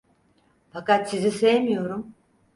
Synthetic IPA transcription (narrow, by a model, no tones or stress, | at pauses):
fakat̪sizisejmijo̞ɾum